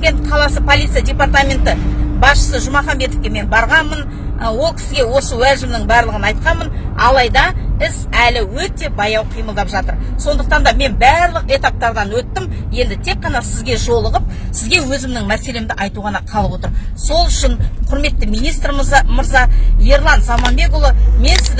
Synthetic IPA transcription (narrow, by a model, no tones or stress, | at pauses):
ɡʲe̞nt̪qʰɑlˠɑsəpʰo̞lʲˠit̪sɨjadʲe̞part̪amʲe̞nt̪ɪbɑsʃə̥səʒʊmɑχɑmbe̞t̪ofkʲe̞me̞nbɑɾʁɑnmən | wo̞lˠkʲʰɪ̥sɪɡʲewo̞səwæʒɪmnɪŋbæɾlˠəʁənɑjt̪̚qɑnmənɑ̰lˠɑjd̪ɑɪzælɪwɵt̪e̞bɑjɑwqʰijməlˠd̪ɑpʒɑt̪əɾso̞nd̪əq̚t̪ɑnd̪ɑme̞nbæɾlˠəqe̞t̪ɑp̚t̪ɑɾd̪ɑnwɵt̪ːɪmje̞nd̪ɪt̪ʰek̚qːɑnɑsɪzɡʲe̞ʒo̞lˠəʁəp̚ | sɪzɡʲe̞wɵzɪmnɪŋmæse̞le̞md̪ɪʔɑjt̪uʁɑnɑqʰɑlˠəpwo̞t̪əɾso̞lˠʏʃɪnqʰʊɾme̞t̪ːɪmijnijst̪ɾmməɾzɑje̞ɾlˠɑnsɑmɑnbe̞kolˠəme̞nsɪzd̪